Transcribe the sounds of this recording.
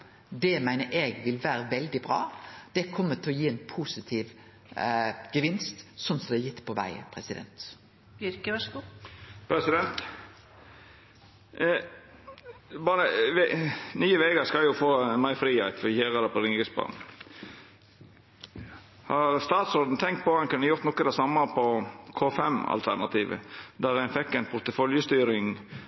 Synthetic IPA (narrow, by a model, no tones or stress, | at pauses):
d̪ɛmæɪnəɾʔɛɡʋɪlʋæːɾəʋɛld̪ɪbɾɑ̰ːd̪̥ɛkʰɔmːət̪ʰɪlɔjiːɛnpʰusɪt̪ʰiːʋ | ɡ̥əʋɪnst̪sɔnsɔd̪ɛːjɪt̪ːpʰɔʋæ̰ɪə̰pʰɾɛsɪd̪ɛ̰nt̪ | bjʏɾkəʋɑʂɡupʰɾɛsɪd̪ɛnt̪ | bɑːɾəʋenyːəʋeːɡəɾskɑljʊfoːnmɑɪfɾiːɑɪt̪fɔçeːʁəd̪ɛpʰɔɾɪŋɡəsbɑ̰ːn | hɑɾst̪ɑːt̪sɔɾd̪n̩t̪ʰɛŋkt̪̚pɔɛnkʉnːəjʊɾt̪nɔkːəd̪ɛsɑmːəpʰɔkʰoːfɛmɑ̰lt̪ʰæʁnɑt̪ʰiːʋə̰d̪æɾænfɛkːæɪnpʰʊɾt̪əfɔljəst̪yːɾɪŋ